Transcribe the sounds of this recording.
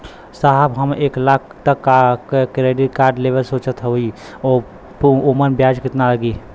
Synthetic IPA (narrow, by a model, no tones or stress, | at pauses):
saɦəbɦəmeːklaːkʰt̪əkːakekɾeːɖɪʈkaːɾɖleːʋəlsoːt͡ʃət̪ʰɦoi | oː | poːmənbjaːd͡ʒkɪt̪naləɡiː